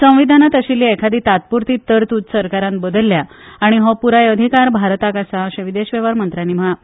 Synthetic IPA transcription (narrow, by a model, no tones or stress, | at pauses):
sə̃w̃ʋid̪ʱanat̪əɕilːiekʰad̪iːt̪at̪̚puɾt̪iːt̪ːəɾt̪ud͡zsəɾkaɾãnbəd̪əlːja | aɽ̃iɦɔpuɾajəd̪ʱikaɾbʱaɾt̪akasaəɕẽʋid̪eɕʋeʋaɾmənt̪ɾaniːm̤əɭa